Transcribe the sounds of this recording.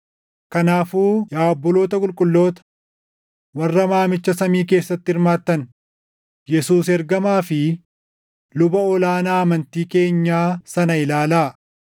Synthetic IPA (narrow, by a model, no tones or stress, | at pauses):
kɐnaːfuːjaːbːɔlo̞ːt̪ɐkʼʊlkʼʊlːo̞ːt̪ɐ̥ | wɐrːɐmaːmɪt͡ʃːɐsɐmiːk̬e̞ːsːɐt̪ːɪɪɾmaːt̪ːɐn | jɛsuːsɛɾɡɐmaːfɪ | lʊbɐɔlaːnaːɐmɐnt̪iːke̞ːɲːaːsɐnɐɪlaːlaː